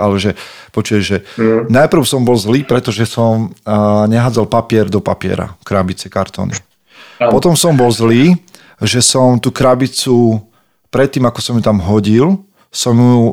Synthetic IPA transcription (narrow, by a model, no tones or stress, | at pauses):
alɛʒɛ | pɔt͡ʃuʋɛʒɛnajpr̩ʊsɔmbɔlzliːpɾɛt̪ɔʒɛsɔmɲɛɦaːd͡zalpapɪɛɾd̪ɔpa̰pɪɛ̰ɾa̰kɾabit͡sɛkaɾt̪ɔ̰nḭ | pɔt̪ɔmsɔmbɔlzliː | ʒɛsɔmt̪uːkɾabit͡su | pɾɛt̪ːiːmakɔsɔmjut̪amɦɔɟil | sɔmju